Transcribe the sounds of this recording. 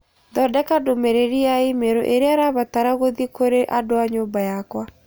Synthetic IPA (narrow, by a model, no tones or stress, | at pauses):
dɔdɛkadomeɾeɾiaimeɾo̰ʔeɾeaɾaβat̪aɾaɣoðikoɾeʔadoaɲoːbajakwa